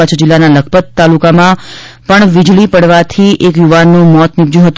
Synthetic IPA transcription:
at͡ʃʰəd͡ʒɪlːanaləkʰpət̪ːalukamã | pəɳʋid͡ʒɭipəɽʋat̪ʰiʔekjuʋanːũmɔt̪nibd͡ʒjũɦət̪u

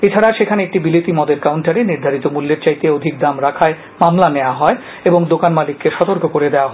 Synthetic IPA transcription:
et͡ɕʰaɾaʃekʰaneek̚ʈibilit̪imɔd̪eɾkawɳʈaɾeniɾd̪ʱaɾit̪omulːeɾt͡ɕajt̪eod̪ʱik̚d̪amɾakʰae | mamlaneoaɦɔe | eboŋd̪okanmalikːeʃɔt̪oɾkokoɾed̪eoaɦɔ

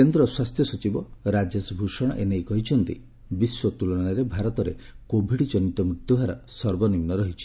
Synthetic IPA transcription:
kend̪ɾɔswast̪ʰjɔsɔt͡ʃibɔɾad͡ʒesbʱuʃɔɽ̃ɔ̰ʔenejkɔɦit͡ʃʰɔnt̪ḭ | biswɔt̪ulɔɽ̃aɾebʱaɾɔt̪ɔɾekobʱiɽit͡ʃɔnit̪ɔmɾut̪jɔbʱaɾɔsɔɾbɔnimnɔɾɔɦit͡ʃʰi̥

